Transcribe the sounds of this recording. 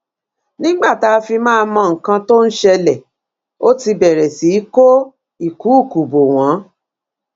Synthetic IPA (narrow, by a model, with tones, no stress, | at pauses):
nĩ˦ɡ͡ba˦˨ta˨˧fi˧mãː˦˧mɔ̃˧ŋ̩˨kã˧to˦n̩˦ʃɛ˧lɛ˨ | o˦ti˧bɛ˨ɾɛ˨si˨˦i˦ko˦ | i˦˨ku˨˦u˦˨ku˨bo˨w̃ɔ̃˨˦